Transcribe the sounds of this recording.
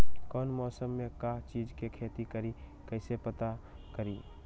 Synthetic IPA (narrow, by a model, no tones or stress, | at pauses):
kɔːnmɔːsəmːẽkat͡ʃiːd͡ʒkekʰeːt̪ikəɾikɛɪsepət̪a | kəɾiː